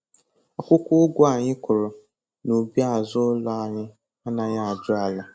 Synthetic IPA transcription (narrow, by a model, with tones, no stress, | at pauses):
ɔ˨kʷʊ˦kʷʊ˦ʊ˦ɡʷʊ˦a˨ɲɪ˦kʊ˨ɾʊ˨ | no˨bi˦a˦˨zʊ˦la˦a˨ɲɪ˦ | a˦na˨ɲa˦a˨d͡ʒʊ˦a˨la˨